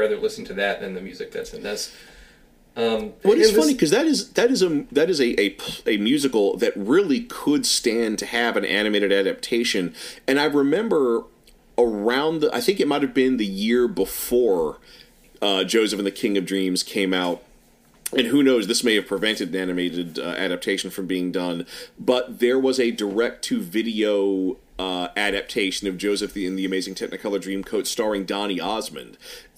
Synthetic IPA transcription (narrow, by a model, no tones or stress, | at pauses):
æðə˞lɪsn̩tʰɨðɨt̪̚ðɨ̃nðɨmjʉzɨk̚ðæ̰tsɨ̃n̩ðɪs | ʌ̃mwʌɨfʌnikʰʌzðɨɾɨzðɨɾɨzɨðɨɾɨzɨʔɨɨmjʉzɨkl̩ˠðɨt̚ɹɪlˠikʰəd̥stæ̃ntʰɨɨvɨ̃nʔæ̰ñɨmeɪɾɨɾæɾɨp̚tʰeɪʃɨ̃nɨ̃ñaɪɹɨmɛ̃mbə˞ | ə˞ãʊ̃nðʔa̰ɪθɪ̃ŋkɨt̚maɪɾ̚ɨvbɪ̃nðɨjɪɹbəfɔɹ | ʌd͡ʒoʊzɨfn̩ðɨkʰɪ̃ŋʌvdɹĩmz̥kʰẽɪ̃maʊt̚ | ɨ̃nɦʉnoʊzðɪsmeɪɨv̥pʰɹ̥ɨvɛ̃ntɨɾɨ̃nænɨmeɪɾɨɾʔæ̰ɾæp̚tʰeɪʃn̩fɹʌ̃mbiɪ̃ŋdʌ̃nb̥ʌt̪̚ðə˞wʌzɨdə˞ɛk̚tʰɨvɪɾioʊ | ʌæɾæp̚tʰeɪʃɨ̃nʌvd͡ʒoʊzɨfðiɨ̃nðiɨmeɪzɪ̃ŋtʰɛk̚nɨkʰʌlˠə˞dɹĩmkʰoʊtstɑɹɪ̃ŋdɑñiɑzmɨ̰̃nd̥